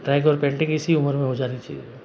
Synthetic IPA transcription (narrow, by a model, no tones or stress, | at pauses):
ʈɾaːɪɡɔːɾpẽːɳʈẽkɪsiʊməɾmẽɦod͡ʒaːɾit͡ʃɐi